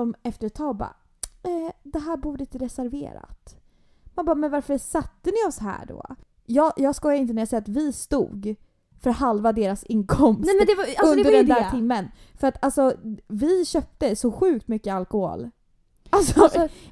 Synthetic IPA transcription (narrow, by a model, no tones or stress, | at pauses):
sɔmɛft̪əɾʈ̪tʰɑːɡbɑ̰ː | ɛd̪ɛɦæːɾbuːɖəɪnt̪əɾɛsæɾvḛːɾa̰t̪ | manbɑːmɛnvaɾfəsat̪ːənɪɔsɦæ̰ːɖo̰ː | jɑːjɑːɡskɔjaɾɪnt̪ənɛɾjaːsɛjat̪vɪst̪ṵːɡ | fœɾat̪ɦalvad̪eːɾasɪnkʰɔmsɛd̪ɛaɵnɛd̪əɖɛnd̪æːɪmːənfœɾat̪alsɔvɪɕœːp̚t̪əsɔɧʉ̟ːk̚t̪mʏkːəalkɔho̰ːl | alsɔ